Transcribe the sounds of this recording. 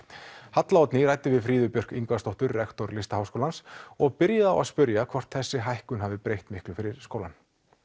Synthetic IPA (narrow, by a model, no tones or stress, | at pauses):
hat̪laɔt̪niɾajt̪ɪvɪðfɾiːðʏpjœr̥kiŋkvast̪owht̪ʏɾːɛxt̪ɔɾlɪst̪ahawskowlansɔɣpɪɾjɪða̰waðspʏɾjakʰvɔr̥t̪θɛsːɪɦajhkʏnɦavðɪpɾejht̪mɪhklʏfɪɾɪɾ̥skowlan